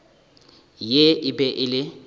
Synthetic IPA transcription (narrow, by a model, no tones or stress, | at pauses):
jeɪbɛʔɪlɪ